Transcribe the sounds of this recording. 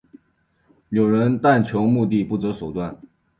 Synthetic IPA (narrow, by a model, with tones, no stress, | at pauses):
njo˨˩ʊɻə˧˥nt̪a˥˩nt͡ɕʰjo˧˥ʊmu˥˧t̪i˥˧pu˥˩t͡sɤ˧˥ʂo˨˩ʊt̪wa˥˩n